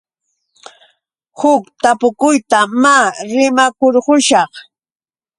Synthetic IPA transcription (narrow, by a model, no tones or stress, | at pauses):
hʊkt̪apʊkʊjt̪amaɾɪmakoɾɢʊʃɑχ